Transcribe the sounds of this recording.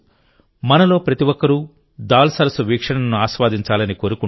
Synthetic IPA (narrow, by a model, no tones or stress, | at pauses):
mɐnɐlo̞ːpɾɐt̪iʋɔkːɐɾu | d̪aːlsɐɾɐsuʋiːkʂɐɳɐɐnuaːʃʋaːd̪iɲt͡ʃaːlɐniko̞ːɾuku